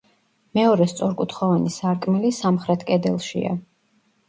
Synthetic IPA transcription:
mɛɔɾɛst̪sʼɔɾkʼut̪ʰχɔvanisaɾkʼmilisamχɾɛt̪ʰkʼɛd̪ɛlˠʃḭa̰

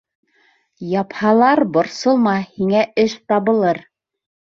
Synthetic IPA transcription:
jɑphɑlˠɑɾbŏɾsɤlˠmɑhiŋæʔɘʃt̪ɑβɤ̆lˠɤɾ

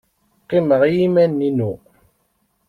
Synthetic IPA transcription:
qːiməʁjimænːinu

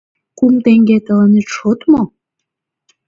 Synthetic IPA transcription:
kumt̪eŋɡet̪ə̆lɑnet̪ʃot̪mo

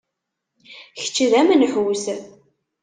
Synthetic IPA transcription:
çə̥t͡ʃːəðæmənħws

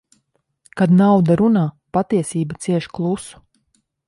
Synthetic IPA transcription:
kad̪nawd̪aɾunaː | pat̪iɛsiːbat̪siɛʃklˠusu̥

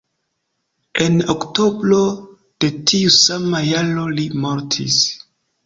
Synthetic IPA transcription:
e̞nokto̞bɾo̞ | d̥e̞tʰiusamajalo̞limo̞ɾtʰḭs

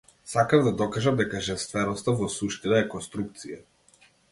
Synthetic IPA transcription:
sakavd̪ad̪ɔkaʒamd̪ɛkaʒɛst̪vɛɾɔst̪avɔsuʃt̪inaɛkɔnst̪ɾuk̚t̪sija

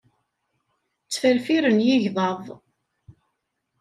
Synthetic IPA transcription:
t͡sːfəɾfiɾənjɪʝðˤɑðˤ

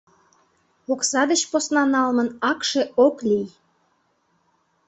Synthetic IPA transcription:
oksɑd̪ət͡ɕposnɑnɑlmənɑkʃeoklʲij

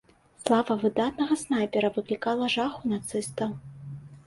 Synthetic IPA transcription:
slˠavɐvɨd̪at̪nɐɣɐsnajpʲɛɾɐvɨklʲikalˠɐʐaxunat̪sɨst̪ɐw

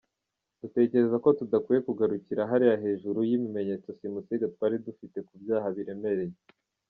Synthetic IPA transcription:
d̥ute̞ːce̞ɾe̞zako̞tudakwije̞kuɡaɾuciɾaɦaɾijaɦe̞ːʒuɾujimime̞ɲe̞t͡so̞simusiɡatwaːɾidufite̞kubjaːhaβiɾe̞me̞ɾe̞je

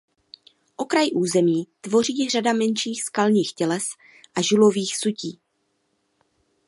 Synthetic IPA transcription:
ʔo̞kɾajʔuːzɛmiːt̪vo̞riːr̝adamɛnʃiːxskalɲiːxcɛlɛs | ʔaʒuloviːxsuciː

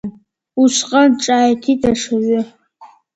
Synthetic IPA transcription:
uʃʷqʼənʈ͡ʂʼaːjtʰitʰʼaʂaɥʊ

